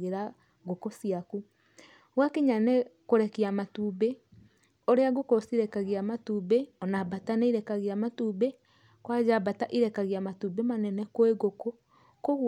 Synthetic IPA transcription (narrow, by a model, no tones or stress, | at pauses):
ɣeɾa | ɣokosiaku | ɣwakeɲanekoɾɛkiamatuːbe | oɾeaɣokosiɾɛkaɣeamatuːbeɔnabataneiɾɛkaɣeamatuːbe | kwad͡ʒabataʔiɾɛkaɣeamatubemanɛnɛkoeɣoko | koɣ